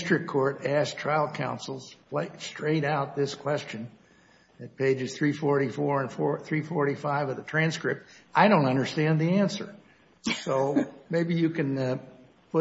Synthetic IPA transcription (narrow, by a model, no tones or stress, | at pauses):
stɹ̥ɨkʰɔɹɾæstʰɹ̥aɪl̩ˠkʰãʊ̃nsl̩ˠz̥pʰleɪstʰɹ̥eɪɾaʊt̪̚ðɪskʰw̥ɛst͡ʃɨ̃n | ɨt̚pʰeɪd͡ʒɨz̥θɹifɔɹɾifɔɹɨ̃nfɔɹθɹifɔɹɾifaɪvʌðɨtʰɹ̥æ̃nskɹɪp̚t̚ʔaɪɾõʊ̃ntʌ̃ndə˞stæ̃nðiæ̃nsə̰˞ | soʊmeɪbijɨkɨ̃n | pʰʊ